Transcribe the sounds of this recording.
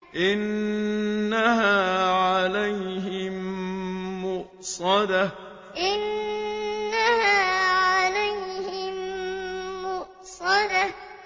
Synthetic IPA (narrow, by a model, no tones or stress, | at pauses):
ʔɪnː | ahaːʕalajhɪm | mʊʔ | sˤɑd̪a | ʔɪnː | ahaːʕalajhɪmmmʊʔ | sˤɑd̪a